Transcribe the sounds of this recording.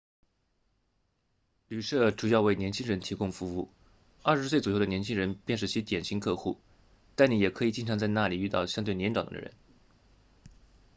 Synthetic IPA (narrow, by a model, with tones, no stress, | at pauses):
ly˨˩ʂɤ˥˩ʈ͡ʂu˨˩jɑ˥˧ʊwe˥˩ɪnjɛ˧˥nt͡ɕʰi˥ŋɻə˧˥nt̪ʰi˧˥kʊ˥˧ŋfu˧˥u˥˩ | ɐ˞˥˩ʂɻ̩˧˥swe˥˩ɪt͡sɔ˨˩jd̪ə˩njɛ˧˥nt͡ɕʰi˥ŋɻə˧˥npjɛ˥˧nʂ̬ɻ̩˥˩t͡ɕʰi˧˥t̪jɛ˨˩nɕi˧˥ŋkʰɤ˥˧xu˥˩ | t̪a˥˩nni˧˥jɛ˨˩kʰɤ˧˥i˨˩t͡ɕi˥˩nʈ͡ʂʰɑ˧˥ŋt͡sa˥˧ɪna˥˩li˨˩y˥˧t̪ɑ˥˩ʊɕjɑ˥ŋt̪we˥˩ɪnjɛ˧˥nʈ͡ʂɑ˨˩ŋd̪ə̰˧d̪ə̰˧ɻə̰˧˥n